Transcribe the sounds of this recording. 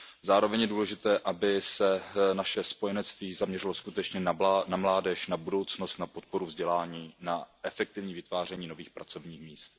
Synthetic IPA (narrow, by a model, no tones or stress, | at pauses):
zaːɾo̞vɛɲjɛduːlɛʒɪt̪ɛːʔabɪsɛnaʃɛspo̞jɛnɛtt͡st̪viːzamɲɛrɪlo̞skut̪ɛt͡ʃɲɛnanamlaːdɛʃnabudo̞wt͡sno̞st̪napo̞t̪̚po̞ɾuvzɟɛlaːɲiːnaʔɛfɛk̚t̪ɪvɲiːvɪt̪vaːr̝ɛɲiːno̞viːxpɾat͡so̞vɲiːxmiːst̪̚